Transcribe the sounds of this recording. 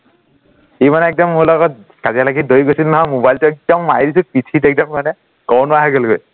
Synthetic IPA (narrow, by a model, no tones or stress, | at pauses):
imanɛɛk̚dɔmːʊɹlɔɡɔt̚ | kazialaɡidojɡojsilnaɦɔmobajltʊɛk̚dɔmːajdisʊpitʰitɛk̚dɔmkanɛ | kɔwnʊaɦaɡolɡoj